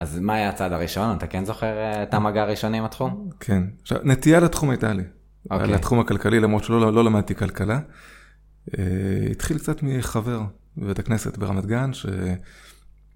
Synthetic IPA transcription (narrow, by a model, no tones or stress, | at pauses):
azmaːjat͡sad̪aʁiʃo̞naat̪akenzo̞χeʁetamaɡaʁiʃo̞niimat̪χumkʰe̞naχʃa̰vnet̪ijalatχumajitali | lat̪χumakalkalilamʁo̞tʃelolo̞lamad̪̚t̪ikalkala | eḭt̪χilkt͡satmiχave̞ʁ | bevetakne̞se̞̰tbeʁa̰mat̪ɡanʃḛ